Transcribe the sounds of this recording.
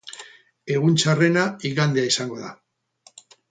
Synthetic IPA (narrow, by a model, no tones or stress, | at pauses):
e̞ɣunt͡sare̞naiɣand̪eaisaŋɡo̞ða